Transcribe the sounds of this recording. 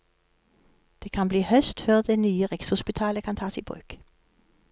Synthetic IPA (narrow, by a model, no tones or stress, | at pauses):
d̪̥eːkʰɑnbliːhœst̪føʁd̪eːnyːəʁɛkshʊspɪt̪ʰɑːləkʰɑnt̪ʰɑːsḭːbʁʉ̰ːk